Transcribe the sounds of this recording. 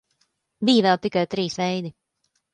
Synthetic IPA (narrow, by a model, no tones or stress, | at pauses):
biːjvɛlˠt̪ikajt̪ɾiːsʋɛjd̪i